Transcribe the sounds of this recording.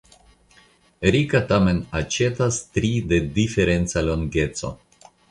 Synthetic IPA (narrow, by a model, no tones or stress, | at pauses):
ɾikatame̞nat͡ʃe̞tastɾide̞dife̞ɾe̞nt͡saloŋɡe̞t͡so̰